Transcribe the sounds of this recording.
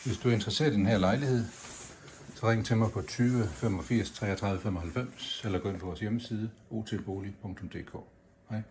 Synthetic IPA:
ʋe̝sd̥uæɐe̝nd̥ʁɐse̝̰ːɐd̥enɦæɐ̰lɑ̈ɪlihe̝ð̞̰ˠ | sɒ̽ʁeŋ̰t͡sʰe̝mɑ̈ɪpʰɒ̽t͡sʰyːʋəfemɒ̽fiɐ̰st͡sʰʁɛ̰ːɒt͡sʰʁɑ̈ðˠʋˠəfem̰ɒ̽hælfem̰selɐɡ̥ɒ̰ːe̝npʰɒʋɒːsjeməsiːð̞ˠəo̝̰ːt͡sʰelb̥o̝ːlipʰɔ̽ŋt͡sʰɔ̽md̥e̝̰ːkʰɔ̰ː | hɑɪ̰

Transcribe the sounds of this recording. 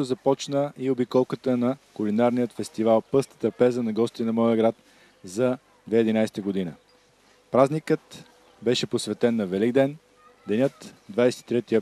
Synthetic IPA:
ʊzɐpɔt͡ʃnəiobikɔlˠkət̪ənɐkʊlinaɾnijət̪fɛst̪ivalˠpɤst̪ə̥t̪ɾɐpɛzənɐɡɔst̪it̪ɛnɐmɔjəɡɾat̪ | zɐ | d̪vɛid̪inajst̪əɡod̪inə̰ | pɾaznikət̪ | bɛʃɛposvɛt̪ɛnːɐvɛliɡd̪ɛn | d̪ɛnʲɤt̪d̪vajsɛ̥t̪i̥t̪ɾɛt̪iə

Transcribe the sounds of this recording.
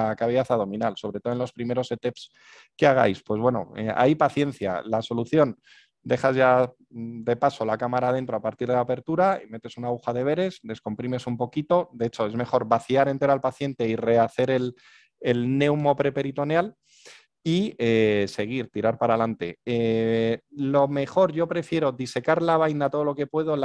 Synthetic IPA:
akaβeaθaðo̞mĩnalso̞βɾe̞t̪o̞e̞nlo̞spɾime̞ɾo̞se̞t̪e̞ps | ke̞aɣ̞a̰jspwe̞zβwe̞no̞̰ḛa̰jpaθje̞n̟θja̰laso̞luθjo̞n | d̪e̞χazʝa | d̪e̞paso̞lakamaɾaðe̞nt̪ɾo̞apaɾt̪iɾð̞elape̞ɾt̪uɾaime̞t̪e̞sunaɣuxaðe̞β̞e̞ɾe̞sd̪e̞sko̞mpɾime̞sumpo̞kit̪o̞d̪e̞et͡ʃo̞e̞zme̞χo̞ɾβaθiaɾe̞nt̪e̞ɾalpaθje̞nt̪e̞ire̞aθe̞ɾe̞l | elne̞wmo̞pɾe̞pe̞ɾit̪o̞njal | iese̞ɣ̞iɾt̪iɾaɾpaɾalant̪e̞e | lo̞me̞χo̞ɾʝo̞pɾe̞fje̞ɾo̞ðise̞kaɾlaβ̞ajnat̪o̞ð̞olo̞ke̞pwe̞ðo̞

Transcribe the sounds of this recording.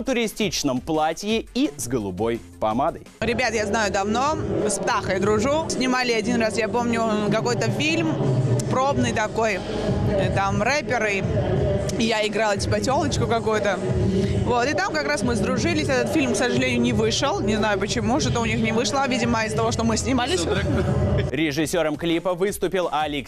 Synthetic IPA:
t̪ʊɾʲɪsʲtʲit͡ɕnəmplˠatʲjɪizɡəlˠʊbo̞jpɐmad̪əjɾʲɪbʲat̪jaznajʊd̪ɐvno̞spt̪axəjd̪ɾʊʐusʲnʲɪmalʲɪɐdʲinrasjapo̞mnʲʊkɐko̞jt̪əfʲilʲmpɾobnɨjt̪ɐko̞j | t̪amrɛpʲɪɾɨ | jaɪɡɾalˠtʲɪ̥pɐtʲo̞lˠət͡ɕkʊkɐkujʊt̪ə | vo̞t̪ɨt̪amkɐkɾasmɨzd̪ɾʊʐɨlʲɪsʲɛt̪ət̪fʲilʲmksəʐɨlʲenʲɪjʊnʲɪvɨʂəlˠnʲɪznajʊpət͡ɕɪmuʂɨt̪oʊnʲixnʲɪvɨʂlˠəvʲidʲɪməɪzət̪ɐvo̞ʂt̪o̞mɨsʲnʲɪmalʲɪsʲ | ɾʲɪʐɨsʲːo̞ɾəmklʲipəvɨst̪ʊpʲɪlˠɐlʲik

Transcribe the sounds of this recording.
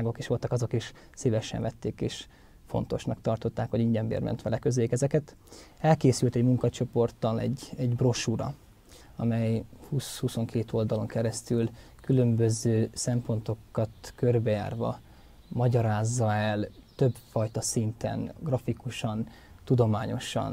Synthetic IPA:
ɡo̞keːʃʋo̞lt̪ɒkɒzo̞kiʃ | silɛʃɛ̰ɱvɛt̪ːeːkeːʃ | fo̰n̪t̪o̞ʃnɒkt̪ɒrt̪o̞t̪ːaːkʋoɟiɲɟɛmbḛːrmɛ̰nt̪ʋɛlɛkø̞zeikɛzɛkɛt̪ | ɛlkeːsylt̪ɛɟmuŋkɒt͡ʃo̞po̞rt̪ɒlɛ̰ɟːɛɟbroʃuɾɒ̰ | ɒmɛjhushuso̞ŋkʰeːt̪o̞ld̪ɒlo̞ŋkɛɾɛst̪yl | kylø̞mbø̞zøːsɛmpo̞nt̪o̞kːɒt̪kørbɛja̰ːrvɒ̰ | mɒɟɒɾaːzːɒɛlt̪ø̞bfɒjt̪ɒsint̪ɛ̰nɡrɒfikuʃɒn | t̪ud̪o̞maːɲo̞ʃɒ̰n

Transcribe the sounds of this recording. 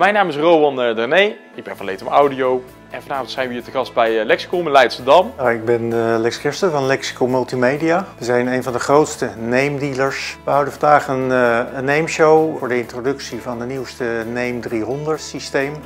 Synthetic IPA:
mɛjnaːmɪsrowmɑndɛrnej | ɪɡ̚bɛnfɔlejtəmawdiow | ʔɛnvɑnaːvɔntsɛjnʋəitəɣɑst̚bɛjlɛksi̥kolˠmɛlɛjtsədɑmnaɪɡ̚bɛnlɛksɪstəvɑnlɛksi̥kolˠmɵlˠtimejdijaʋəzɛjnejnvɑndəχrowtstənejmdiləɹsʋəɦɑwdənvɑndaːχənənːejmʃowʊːɹdəɪntrodɵksivɑndəniwstənejmdriɦɔndəɹtsistejm

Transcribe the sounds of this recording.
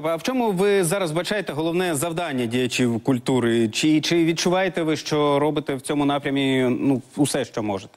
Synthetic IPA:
ɐwt͡ʃɔmʊʋɪzɑɾɐzbɐt͡ʃɑjet̪ɛɦɔlˠɔwnɛzɐwd̪ɑnʲːɐdʲijɐt͡ʃiwkʊlʲt̪uɾɪt͡ʃɪt͡ʃɪʋʲid̪̚t͡ʃʊʋɑjet̪ɛʋɪʃt͡ʃɔɾɔbɪt̪ɛwt͡sʲɔmʊnɑpɾʲɐmʲinuːsɛʃt͡ʃɔmɔʒet̪ɛ̥

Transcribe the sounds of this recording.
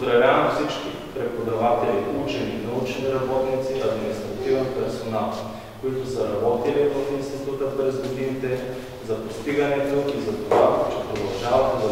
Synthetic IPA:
zɾɐvʲavɐmfsit͡ʃki | pɾɛpod̪ɐvat̪ɛliut͡ʃɛninɐut͡ʃniɾɐbɔt̪nit̪siʔɐd̪minist̪ɾɐt̪ivɛnpɛɾsonalˠ | koit̪osəɾɐbɔt̪ilivəfinst̪it̪ut̪əpɾɛzɡod̪init̪ɛ | zɐpost̪iɡənɛt̪oizɐt̪ovat͡ʃɛpɾod̪ɐlˠʒavɐt̪ɛd̪ɐ

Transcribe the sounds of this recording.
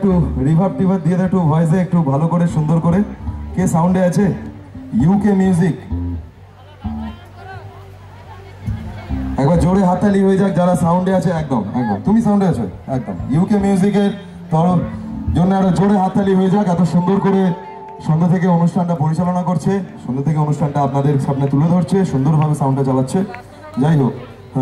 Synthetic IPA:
k̚ʈuɾibʱab̚ʈibʱat̪d̪ijet̪ʰeek̚ʈubʱajzeek̚ʈubʱalokoɾeʃund̪oɾkoɾekesawɳɖeat͡ɕʰe | juːkemjuuzik | ɛk̚baɾd͡ʑoɽeɦat̪ːaliɦoed͡ʑak̚d͡ʑaɾasawɳɖeat͡ɕʰeɛk̚d̪omɛ̰k̚d̪o̰mt̪umisawɳɖeat͡ɕʰo̰ɛk̚d̪o̰mjuwkemjuzikeɾ | t̪ɔɾod͡ʑonːoaɾod͡ʑoɽeɦat̪ːaliɦoed͡ʑakɛt̪oʃund̪oɾkoɾe | ʃund̪ot̪ʰekeonuʃʈʰanʈapoɾit͡ɕalonakoɾt͡ɕʰeʃund̪ot̪ʰekeonuʃʈʰanʈaapnad̪eɾʃabnet̪uled̪ʱoɾt͡ɕʰeʃund̪oɾbʱabesawɳɖʈat͡ɕalatːɕʰe | d͡ʑajt̪o

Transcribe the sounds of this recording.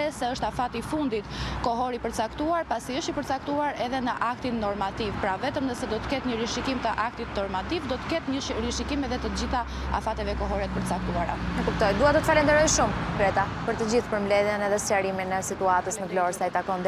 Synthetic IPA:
ɛsɛəʃt̪afat̪ifund̪it̪kɔɦɔɾipəɾt͡sakt̪uaɾpasiəʃt̪ipəɾt͡sakt̪uaɾɛðɛnəʔakt̪inːɔɾmat̪ivpɾavɛt̪əmnəsɛd̪ɔt̪ə̥kɛt̪ɲəɾiʃikimt̪əʔak̚t̪it̪nɔɾmat̪ivd̪ɔt̪ə̥kɛt̪ɲəɾiʃikimɛðɛt̪əd͡ʑiθa | a̰fat̪ɛvɛkɔɦɔɾɛt̪̚pəɾt͡sak̚t̪uaɾa̰nəkup̚t̪ɔjd̪uat̪ət̪ə̥falɛnd̪əɾɔjʃumkɾɛt̪a | pəɾt̪əd͡ʑiθpəɾmblɛðjənɛðɛst͡ɕaɾiminəsit̪uat̪əsnəvlɔɾsajt̪akɔnd̪

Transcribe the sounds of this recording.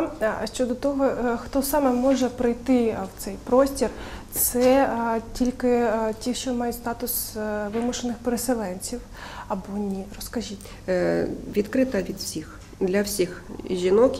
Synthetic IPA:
ʃt͡ʃɔd̪ɔt̪ɔɦɔxt̪ɔsɑmɛmɔʒɛpɾɪjt̪ɪwt̪sɛjpɾɔsʲtʲirt̪sɛtʲilʲkɪtʲiʃt͡ʃɔmɑjɛst̪ɑt̪ʊsʋɪmʊʃenɪxpeɾeselˠɛnʲt͡sʲiw | ɐbɔnʲirɔskɐʒʲitʲ | ʋʲid̪kɾɪt̪ɐʋʲid̪wsʲix | d̪lʲɐwsʲixʒʲinɔk

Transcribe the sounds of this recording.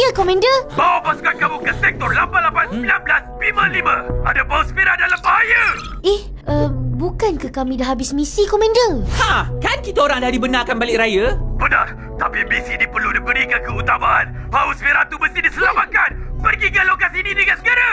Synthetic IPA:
əkomɛ̃ndəbawapasu̥kankamukənsɛk̚t̪ɔrlapanlapansəbilamblasəbimə̃limə̃adapausə̥piɾadalambaɦajə | ɛh | əbukankəkamĩdaɦabɪsmisikɔmɛ̃ndəhãkankit̪aoɾaŋdahdibənarkanbalɪkɾajəbənah | t̪apimisinipərludibəɾikankəut̪amaʔanbausəpiɾat̪ubəsidisəlamat̪̚kanpərɡiɡəlokasininikansəɡaɾa

